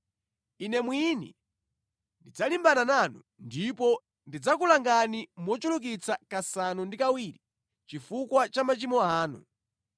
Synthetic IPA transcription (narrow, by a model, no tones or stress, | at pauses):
inɛmwinḭ | ndid͡zalimbanananu | ndipɔ | ndid͡zakulaŋɡanimwɔt͡ʃuluk̬it͡sʰakasanundikawiɾi | t͡ʃifukwat͡ʃamat͡ʃimɔaːnṵ